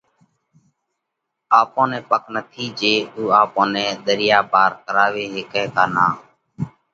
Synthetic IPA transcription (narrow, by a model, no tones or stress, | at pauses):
aːpõːnɛ̃ːpəknət̪ʰiːd͡ʒeːuːaːpõːnɛ̃ːɗ̪əɾɪjaːbaːɾkəɾaːʋeːɦɪkɛ̃ːkaːnaː